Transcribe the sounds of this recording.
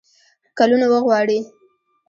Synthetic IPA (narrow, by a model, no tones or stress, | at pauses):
kalunawəɣwɑɽi